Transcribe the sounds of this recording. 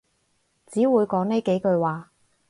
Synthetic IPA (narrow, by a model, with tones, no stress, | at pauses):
t͡siː˨˥wuː˨˧jkɔː˨˥ŋne˥jke˨˥jkɵ˧ɥwaː˨˧